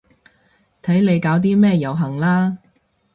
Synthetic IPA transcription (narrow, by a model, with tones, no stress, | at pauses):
t̪ʰɐ˨˥jnle˨˧jkaː˨˥wt̪̬iː˥mɛː˥˧jɐ˨˩wɦɐ˨˩ŋlaː˥